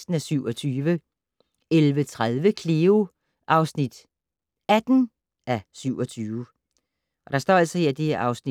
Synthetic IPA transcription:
sd̥n̩æsyʊ̰ɒ̽t͡sʰyːʋə | elʋət͡sʰʁaðˠʋəkʰleo | ʔɑ̈ʊsnid̥ | æd̥n̩ | ʔæsyʊ̰ɒ̽t͡sʰyːʊə | ʔɒ̽ɾ̥ɑ̈sd̥ɒ̰ːæl̰sɒ̽heɐ̰d̥eʔɑ̈ʊsni

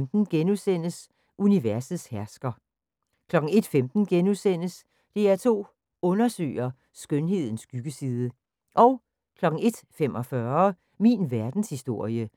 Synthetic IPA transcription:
md̥n̩ɡ̥enusen̰əs | ʔuniʋæɐsð̩ˠshæɐsɡ̥ɐ | kʰlɒ̽ɡ̥ŋ̩e̝d̥femd̥n̩ɡ̥enusen̰əs | d̥e̝æɐt͡sʰo̝̰ː | ɔ̽nɐsø̰ːɐ | sɡ̥ønɦe̝ð̰ˠn̩sɡ̥yɡ̥əsiːð̞ˠə | ʔɒ̽ʊ | kʰlɒ̽ɡ̥̩e̝d̥femɒ̽fɶɐ | minʋæɐd̥n̩shisd̥o̝ɐ̰jə

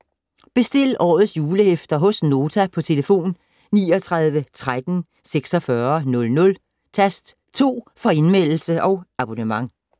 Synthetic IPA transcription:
b̥e̝sd̥e̝l̰ʔɒ̰ːð̞̩ˠsjuːləhefd̥ɐɦɔ̽sno̝ːt͡sʰæpʰɒ̽t͡sʰe̝ləfo̝̰ːn | niːɒt͡sʰʁɑ̈ð̞ˠʋət͡sʰʁad̥n̩ | seɡ̥sɒfɶɐnɔ̽lnɔ̽l | t͡sʰæsd̥ | t͡sʰo̝̰ːfɒ̽e̝nmel̰l̩səʔɒ̽ʊɑ̈b̥onəmɑ̈ŋ

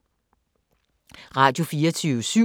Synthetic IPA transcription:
ʁɑ̈d̥jo̝fiːɐt͡sʰyʊsy

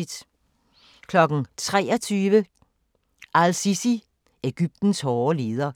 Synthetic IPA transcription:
id̥ | kʰlɒ̽ɡ̥n̩t͡sʰʁɛ̰ːɐt͡sʰyːʋə | ʔælsisi | e̝ɡ̥yb̥̚d̥n̩shɒːleːð̞ˠɐ

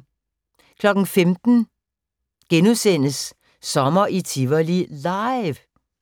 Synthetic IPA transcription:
kʰlɒ̽ɡ̥n̩femd̥n̩ | ɡ̥enusen̰əsː | ɒ̽mɐʔit͡sʰiʋɐlilɑɪʋ

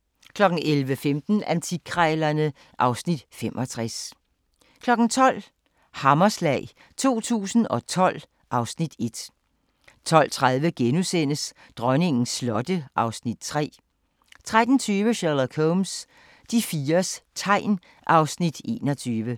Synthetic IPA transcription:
kʰlɒ̽ɡ̥n̩ʔelʋəfemd̥n̩ænt͡sʰikʰʁɛlɐnə | ʔɑ̈ʊsnid̥femʔɒ̽t͡sʰʁas | kʰlɒ̽ɡ̥n̩t͡sʰɒ̽l̰ | hɑ̈mɐslɛ̰ːɪ | t͡sʰo̝̰ːt͡sʰṵːsn̩ɒ̽t͡sʰɒ̽l̰ | ʔɑ̈ʊsnid̥e̝d̥ | t͡sʰɒ̽l̰t͡sʰʁað̞ˠʋəɡ̥enusen̰əs | d̥ʁɶne̝ŋn̩slɒ̽d̥əʔɑ̈ʊsnid̥̚t͡sʰʁɛ̰ː | t͡sʰʁad̥n̩t͡sʰyːʋəɕæləkʰoms | d̥ifiːɐst͡sʰɑ̈ɪ̰n | ʔɑ̈ʊsnid̥e̝̰ːnɒt͡sʰyːʋə

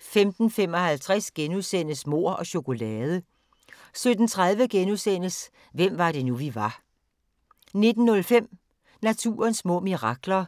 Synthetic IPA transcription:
femd̥n̩fem̰ɒ̽hælt͡sʰʁasɡ̥enusen̰əsmo̝̰ɐ̰ɒ̽ɕo̝ko̝lɛːð̞ˠə | sød̥n̩t͡sʰʁäð̞ˠʋəɡ̥enusen̰əs | ʋem̰ʋɑ̈ɾ̥e̝nuʋiʋɑ̈ | ne̝d̥n̩ːɔ̽lfem̰ | næt͡sʰṵːɐnsmɔ̰̽ːmiʁɑ̈ɡ̥lɐ

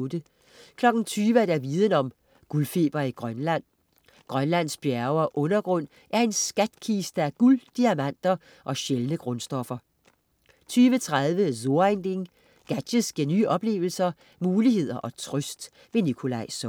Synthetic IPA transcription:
od̥ə | kʰlɒ̽ɡ̥n̩t͡sʰyːʋæd̥æɐʋiːð̞ˠən̩ɒ̽m | ɡ̥ulfe̝̰ːb̥ɐiɡ̥ʁɶnlæn̰ | ɡ̥ʁɶnlæn̰sb̥jæɐʊɐʔɔ̽nɐɡ̥ʁɔ̽n̰ | ʔæɐe̝nsɡ̥æd̥kʰiːsd̥əæɡ̥uld̥iæmæn̰d̥ɐ | ʔɒ̽ɕelnəɡ̥ʁɔ̽nsd̥ɒ̽fɐ | t͡sʰyːʋət͡sʰʁaðˠʋəzo̝ɐend̥e̝ŋ | ɡ̥æ̥ɕəsɡ̥eny̰ːʔɒ̽b̥le̝̰ːʊl̩sɐ | muːliɦe̝ð̞̰ˠɐʔɒ̽t͡sʰʁœsd̥ | ʋe̝nikʰo̝lɑ̈ɪsɒ

